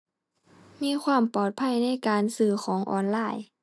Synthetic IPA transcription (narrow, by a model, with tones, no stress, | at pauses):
miː˧˥˨kʰwaː˧˥˨mpɔː˧˩t̪̚pʰa˧˥˩jna˧˥˨jkaː˨nsɯː˧˩xʰɔː˨˦ŋʔɔ̰ː˨˩nlaː˧˩j